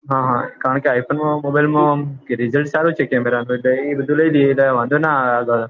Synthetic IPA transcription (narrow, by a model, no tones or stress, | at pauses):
ɦãːɦãkaːɾəɳkeaːjpʰoːnmãmoːbaːjlmãɾɪzəlʈsaːɾũt͡ʃʰekeːmeɾaːnũet̪eibəd̪ʱulɐid̪iet̪aʋãːnd̪ʱonaaːɡaː